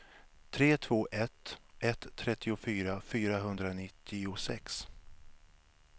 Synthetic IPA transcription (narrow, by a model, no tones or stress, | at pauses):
t̪ʰɾeːt̪ʰv̥oːʔɛt̪ːʔɛt̪ʰːɾɛt̪ːɪʊfyːɾafyːɾaɦɵnd̪ɾanɪt̪ʰːɪʊsɛ̰ks